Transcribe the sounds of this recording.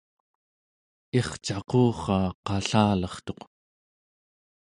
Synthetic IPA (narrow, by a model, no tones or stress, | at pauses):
eχt͡ʃɑqoːχɑːqɑɬaːlʌχt̪o̞q